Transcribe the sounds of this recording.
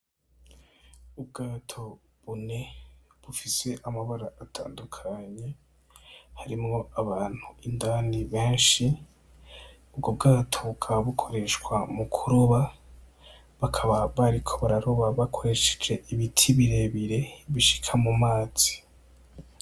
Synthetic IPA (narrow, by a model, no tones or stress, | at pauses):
ub̚ɡaːtʰo̞ | βune̞βufise̞ʔamaβaɾaʔːtʰa̰ːndukʰaɲe̞ | haɾimŋo̞aβaːn̥huindaniβe̞ːnʃi | ub̚ɡob̚ɡaːtʰo̞βukʰaaβukʰo̞ɾe̞ʃkwamukʰuɾoβa | βakʰaβaβaɾikʰo̞βaɾaɾoβaβakʰo̞ɾe̞ʃe̥d͡ʒe̞ʔiβitʰiβiɾe̞βiɾe̞βiʃi̥kʰamumaːz̥i̥